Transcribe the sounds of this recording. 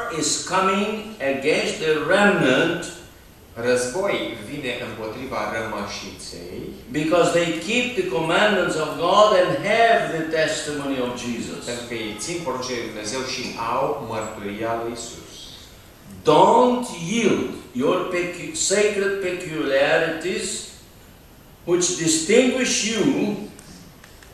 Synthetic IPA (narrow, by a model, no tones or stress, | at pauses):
ɪz̥kʌmɪ̃ŋəɡɛ̃nst̪̚ðəɹɛmnə̃nt | rəzbojvineʔɨmpot̪ɾivaɾəməʃit̪sḛjbikɔzðeɪjkʰip̚ðəkomæ̃nmə̃ntsɔvɡɑd̪ɛ̃ndɦɛvðɨt̪ɛstəmõniɔvd͡ʒizɔ̰sɨ̃nkeitsinkoɾõnt͡ʃeed̪umnezewʃiʔawməɾt̪uɾialujsṵs | d̪õntjild̪jɔɹpsekɾəd̪̚pɛkjuliɛɾit̪iz | wɪt͡ʃd̪ɪst̪ɪ̃ŋɡwɪʃju